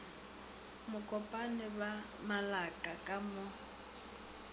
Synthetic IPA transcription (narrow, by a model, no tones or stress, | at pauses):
mʊkʼɔpʼanɪba | malakʼakʼamʊ